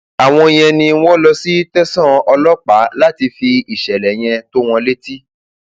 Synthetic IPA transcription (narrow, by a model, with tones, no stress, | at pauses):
a˨w̃ɔ̃˧i˧j̃ɛ̃˧nĩ˧˦wɔ̃˦lɔ˦si˦tɛ˦sɔ̃˦ɔ˧lɔ˦k͡pa˨˦la˦ti˧fi˧i˨ʃɛ˨lɛ˨j̃ɛ̃˧to˦w̃ɔ̃˧le˦ti˦